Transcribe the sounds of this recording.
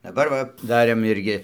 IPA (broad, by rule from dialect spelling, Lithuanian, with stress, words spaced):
dɐˈbɐr ʋɐ ˈdɑːrʲeːm ˈɪrʲɡʲɪ